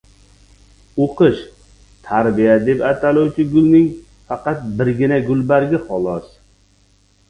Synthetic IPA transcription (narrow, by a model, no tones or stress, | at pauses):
oqɨʃ | t̪ʰaɾbijad̪epat̪ʰalowt͡ʃʰɪɡʊlˠnɪŋ | fɑqɑt̪̚bɪɾɡʲɪnaɡʲʊlbaɾɡʲɪχɒlˠɒs